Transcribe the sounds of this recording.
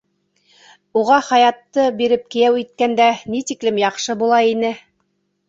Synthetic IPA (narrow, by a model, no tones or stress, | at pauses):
uʁɑχɑjɑt̪ːɤbiɾɘp̚kɘ̆jæwit̪̚kænd̪ænit̪iklɘmjɑqʃɤbulˠɑinɘ